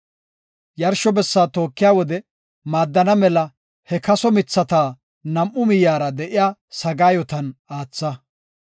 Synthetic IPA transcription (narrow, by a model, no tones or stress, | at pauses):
jɐɾʃɔbɛsːaːt̪o̞ːkːɪjaːwɔd̪ɛ | maːd̪ːɐnɐmɛlɐ | hɛkɐsɔmɪt͡sːɐt̪aː | nɐmʔːʊmɪjaːɾɐd̪ɛʔɪjaːsɐɡaːjɔt̪ɐnaːt͡sːɐ